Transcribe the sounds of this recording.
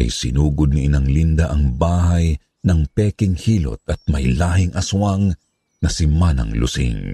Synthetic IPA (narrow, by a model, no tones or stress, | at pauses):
ʔɐ̰jsɪnuːɡʊd̪̚niʔɪnaŋlind̪ɐʔɐŋbaːhɐj | nɐŋpɛkɪŋhiːlo̰t̪̚ɐt̪̚mɐjlaːɦɪŋʔɐsʊwaŋ | nɐsɪmanɐ̰ŋlʊ̰sḭŋ